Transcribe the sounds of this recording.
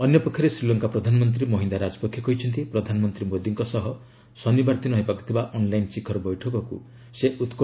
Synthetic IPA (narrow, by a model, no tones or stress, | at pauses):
ɔnjɔpɔkʰjɔɾesɾilɔŋkapɾɔd̪ʱanɔmɔnt̪ɾimɔɦind̪aɾad͡ʒɔpɔkʰjɔkɔɦit͡ʃʰɔnt̪ipɾɔd̪ʱanɔmɔnt̪ɾimod̪iŋkɔsɔɦɔ | sɔnibaɾt̪inɔɦepakɔ̥t̪ʰibaʔɔnlajnsikʰɔɾɔbɔjʈʰɔkɔkṵ | seʔut̪k